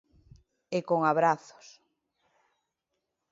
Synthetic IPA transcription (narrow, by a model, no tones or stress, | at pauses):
ekoŋaβ̞ɾaθo̥s